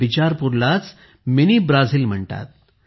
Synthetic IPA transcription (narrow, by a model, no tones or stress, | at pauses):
it͡ɕaɾpuɾlat͡s | miniːbɾad͡zʱiːlm̤əɳt̪a̰t̪̚